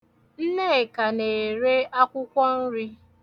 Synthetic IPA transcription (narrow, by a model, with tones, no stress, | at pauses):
n̩˦ne˦˨ka˨ne˨ɾe˦a˦kʷʊ˦kʷɔ˦n̩˦ɾi˦